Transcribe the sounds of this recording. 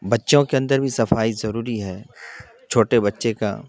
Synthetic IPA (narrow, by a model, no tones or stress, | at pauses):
bɐtːʃõkeɐ̃nd̪əɾbʱisɐfaːizɐɾuːɾiɦɛː | t͡ʃʰoːʈebɐtːʃeka̰